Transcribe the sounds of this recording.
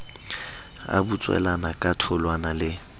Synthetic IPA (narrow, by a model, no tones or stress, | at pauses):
a̰but͡sʼwɛ̰lanakʼatʰʊlwanalɪ